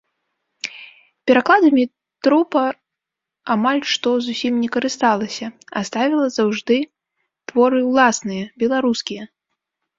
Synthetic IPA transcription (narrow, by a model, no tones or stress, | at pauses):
pʲɛɾaklˠad̪ɐmʲi | t̪ɾɔpɐ | amalʲʂt̪ɔzusʲimnʲɛkɐɾɨst̪alˠɐsʲɐa̰st̪avʲɛlˠɐzawʐd̪ɨ | t̪vɔɾɨwlˠasnɨjɐbʲɛlˠaɾuskʲijɐ